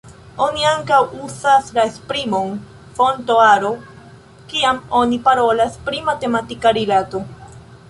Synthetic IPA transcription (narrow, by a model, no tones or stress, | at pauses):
o̞niaŋkawusaslaespɾimo̞n | fo̞nto̞aɾo̞ | kiamo̞nipaɾo̞laspɾimate̞matikaɾilato̞